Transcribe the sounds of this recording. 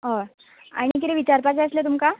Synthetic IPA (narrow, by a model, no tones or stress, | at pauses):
ɦɔ | a̰ɽ̃ik̪it̪eʋit͡ɕaɾpat͡seəslet̪̬umka